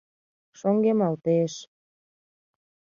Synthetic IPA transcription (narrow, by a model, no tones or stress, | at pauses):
ʃoŋɡemɑlt̪eʃ